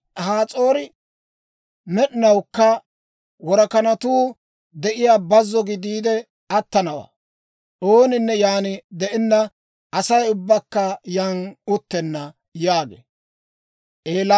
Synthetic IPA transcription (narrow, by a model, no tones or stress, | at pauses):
haːt͡sʼo̞ːɾɪ | mɛɗɪnɐwkːɐ | wɔɾɐkɐnɐt̪uː | d̪ɛʔɪjaːbɐzːɔɡɪd̪iːd̪ɛ | ɐt̪ːɐnɐwa̰ː | ʔo̞ːnɪnːɛjaːnɪd̪ɛʔɪnːɐ | ʔɐsɐjʊbːɐkːɐjanʊt̪ːɛnːɐ | jaːɡḛː | ʔeːlɐ